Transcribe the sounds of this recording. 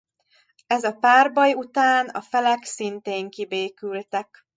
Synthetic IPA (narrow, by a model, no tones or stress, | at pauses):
ɛzɒpaːrbɒjut̪aːnɒ̰fɛlɛksint̪eːŋkibeːkylt̪ɛk